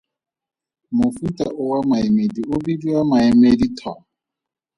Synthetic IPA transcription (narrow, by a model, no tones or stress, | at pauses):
mʊfutʼaʔʊwamaemediʊbidiwamaɛmeditʰwa